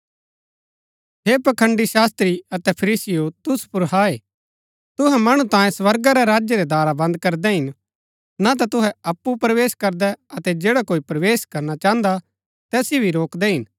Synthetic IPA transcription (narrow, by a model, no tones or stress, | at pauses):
ɦeːpɐkʰə̃ɳɖiʃaːst̪ɾiɐt̪ɛpʰɐɾiːsɪjot̪ʊspʊɾɦaːe | t̪ʊɦɛmɐɽ̃ũt̪ãːjẽsʋɐɾɡaɾɛɾaːd͡ʒjeɾɛd̪aːɾabɐ̃nd̪̚kɐɾd̪ɛɦɪn | nat̪at̪ʊɦɛɐpːupɾɐʋeːskɐɾd̪ɛɐt̪ɛd͡ʒeːɽakoːipɾɐʋeːʃkɐɾnat͡ʃãːə̃nd̪a | t̪ɛːsibʱiɾoːkd̪ɛɦɪn